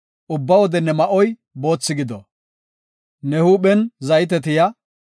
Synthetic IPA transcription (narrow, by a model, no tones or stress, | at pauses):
ʔʊbːɐwɔd̪ɛnɛmɐʔɔj | bo̞ːt͡sːɪɡɪd̪ɔ̰ | nɛhuːɓɛnzɐjɪt̪̬ɛt̪ɪjɐ